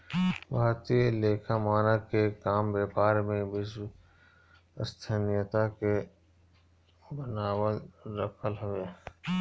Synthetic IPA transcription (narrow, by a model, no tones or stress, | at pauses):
bʱaːt̪ieleːkʰamaːnəkekaːmbeːpaːɾmẽbɪs | əst̪ʰənijət̪ake | bənaːwəɾəkʰəlɦʊʋeː